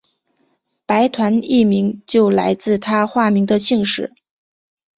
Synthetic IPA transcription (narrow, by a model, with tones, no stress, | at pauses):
pa˧˥ɪt̪ʰwa˧˥ni˥˩mi˧˥ŋt͡ɕjo˥˩ʊla̰˧˥ɪt͡sɹ̩˥˩t̪ʰa˥xwa˥˩mi˧˥ŋd̪ə˧ɕi˥˧ŋʂɻ̩˥˩˦